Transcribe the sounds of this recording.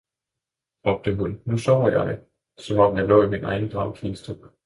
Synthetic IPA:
ɒb̥̚d̥əɦunːusɒʊ̰jɑ̈ɪ | sɒ̽mɒ̽m̰jɑ̈ɪlɔ̰̽ːiminɑ̈ɪnəd̥ʁɑ̈ʊ̰kʰiːsd̥ə

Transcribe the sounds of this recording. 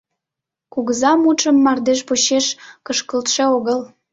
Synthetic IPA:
kuɣəzɑmut͡ʃə̆mːɑrd̪eʃpuɕeʃkəʃkəlt̪ʃeoɣəl

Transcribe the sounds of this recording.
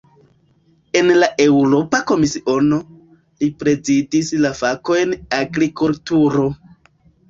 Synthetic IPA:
e̞nlaʔe̞wɾo̞pako̞misiʔo̞no | lipɾe̞zidislafako̞jnaɡɾikultuɾo̞

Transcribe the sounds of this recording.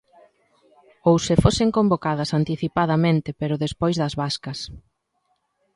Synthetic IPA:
owsefoseŋkombokaðɐsant̪iθipaðɐmẽnt̪ɪpeɾʊðespojzðɐzβaskɐs

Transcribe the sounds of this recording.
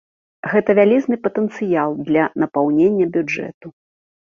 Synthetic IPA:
ɣɛt̪ɐvʲalʲiznɨpɐt̪ɛnt̪sɨjalˠd̪lʲɐnɐpawnʲenʲːɐbʲud͡ʐɛ̰t̪u

